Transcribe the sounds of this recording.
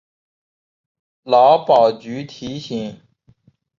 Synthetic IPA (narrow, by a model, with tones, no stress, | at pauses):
lɑ˧˥ʊpɑ˨˩ʊt͡ɕy˨˥t̪ʰi˨˧˥ɕi˨˩˦ŋ